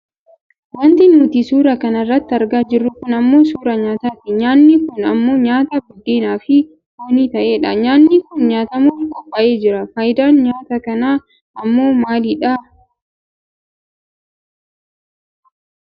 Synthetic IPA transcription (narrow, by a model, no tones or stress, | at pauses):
wɐnt̪ɪnuːt̪isuːɾɐkɐnɐrːɐt̪ːɪɐɾɡaːd͡ʒɪrːʊkʊnɐmːo̞ːsuːɾɐɲaːt̪aːt̪ɪɲaːnːiːkʊnɐmːo̞ːɲaːt̪abʊd̪ːeːnaːfɪ | woniːt̪ɐʔe̞ːᶑɐɲaːnːiːkʊnɲaːt̪ɐmuːkʼɐbɐʔe̞ːd͡ʒɪɾɐfɐjɪd̪aːnɲaːt̪ɐkɐnaː | ʔɐmːo̞ːmaːliːᶑaː